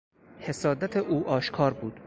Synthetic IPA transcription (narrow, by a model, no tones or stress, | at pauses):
he̞sɒːd̪æt̪ʰeʔuːʔɒːʃkʰɒːɾbuːd̪̥